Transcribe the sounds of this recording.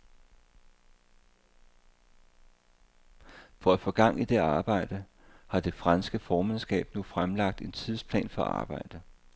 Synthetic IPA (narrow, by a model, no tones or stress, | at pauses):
fɒ̽æfɒ̽ɡ̥ɑ̈ŋ̰id̥e̝ɑ̈ːb̥ɑ̈ɪ̰d̥ə | hɑ̈d̥e̝fʁɑnsɡ̥əfɒːmænsɡ̥ɛ̰ːb̥nufʁamlɑ̈ɡ̥̚d̥e̝nt͡sʰiðˠspʰlɛ̰ːnfɒ̽ʔɑ̰̈ːb̥ɑ̈ɪ̰d̥ə